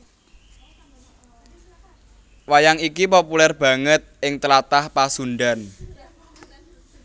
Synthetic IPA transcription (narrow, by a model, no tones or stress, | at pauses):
wajaŋikipopulɛrb̥ä̤ŋət̪̚ʔɪŋt̪əlat̪ahpasunɖan